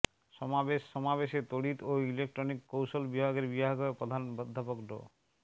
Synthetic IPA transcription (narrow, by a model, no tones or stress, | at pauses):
ʃɔmabeʃːɔmabeʃet̪oɽit̪oilek̚ʈɾonikːowʃolbibʱaɡeɾbibʱaɡɔepɾod̪ʱanbɔd̪ʱːapokɖo̰